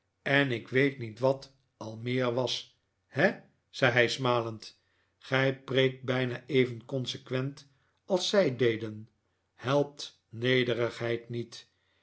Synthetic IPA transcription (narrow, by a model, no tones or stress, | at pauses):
ɛnɪkʋejtnitʋɑt | ɑlˠmɪːɹʋɑs | hɛ | z̥ɛjɦɛjsmaːlənt | χɛjprejk̚t̚bɛjnaːejvənkɔnsəkʋɛnt | ɑlˠsɛjdejdən | hɛlˠp̚t | nejdərəχɦɛjtnit